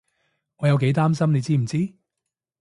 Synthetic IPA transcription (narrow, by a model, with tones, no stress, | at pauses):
ŋɔː˨˧jɐ˨˧wke˨˥jt̪aː˥msɐ˥mne˨˧jt͡siː˥m̩˨˩t͡siː˥